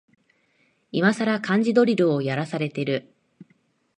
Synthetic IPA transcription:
imasaɾakãɲ̟d͡ʑid̪o̞ɾʲiɾɯojaɾasaɾe̞t̪e̞ɾɯ̟

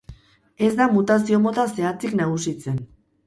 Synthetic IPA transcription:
e̞zd̪amut̪asio̞mot̪ase̞at͡siknaɣ̞usit͡se̞n

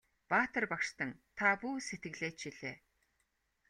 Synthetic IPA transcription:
paːt̪ə̆rpakʃt̪ə̆ŋt̪ʰapuːset̪ɡɘ̆ɣɮeːt͡ɕt͡ɕiɮeː

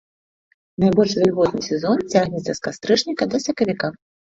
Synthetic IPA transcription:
najbɔlʲʂvʲɛlʲɣɔt̪nɨsʲɛzɔnt͡sʲaɣnʲɛt̪sɐskast̪ɾɨʂnʲikɐd̪ɐsʲɐkɐvʲika

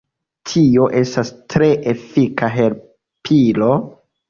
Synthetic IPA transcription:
tʰio̞ʔe̞stastɾe̞ʔefikʰaɦe̞ɾ | pʰilo̞

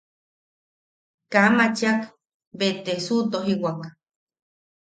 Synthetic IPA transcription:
kamat͡ʃak | bet̪esut̪oɦiwak

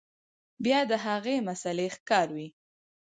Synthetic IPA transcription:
bjɑd̪əɦaɣemasalexkɑɾwi

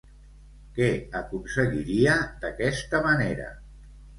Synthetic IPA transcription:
kɛəkunsəɣiɾiəd̪əkɛst̪əməneɾə̰

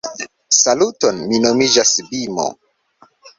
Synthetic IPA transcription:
salutonminomid͡ʒasbimo̰

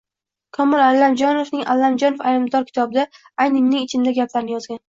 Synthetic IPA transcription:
kʰɒmɪlalːamd͡ʒɒnofnɪŋʔalːamd͡ʒɒnofajlɪmd̪ɒɾkʲʰɪ̥t̪ʰɒbɪd̪a | ajnɪmnɪŋɪt͡ʃʰɪnd̪aɡʲapʰlaɾɪnɪjɒzɡʲan

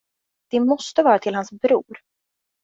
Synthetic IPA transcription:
d̪̥ɛmɔst̪əvɑːɾat̪ʰɪlhansbɾuːɾ

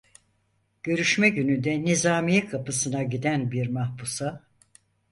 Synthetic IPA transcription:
ɟ̥ø̞ɾyʃmɛɟynynd̪ɛnizaːmijɛkʰapɯsɯnaɟid̪ænbiɾmahbusa

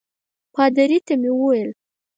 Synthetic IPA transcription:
pɑd̪aɾit̪amewəwajəl

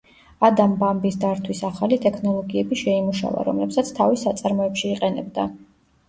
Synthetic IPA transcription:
ad̪ambambisd̪aɾt̪ʰwisaχalit̪ʼɛkʰnɔlˠɔɡiɛbiʃɛimuʃa̰va̰ɾɔ̰mlɛpsat̪sʰt̪ʰavisat̪sʼaɾmɔɛpʃiːqʼɛnɛbd̪a

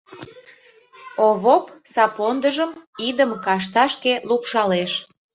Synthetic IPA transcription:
oβopsɑpond̪əʒəmid̪əmkɑʃ̬t̪ɑʃkelupʃɑleʃ

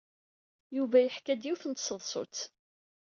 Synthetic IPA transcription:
juvæjəħkæd̪jiwθənt̪səðˤsˤʊ̰t͡s

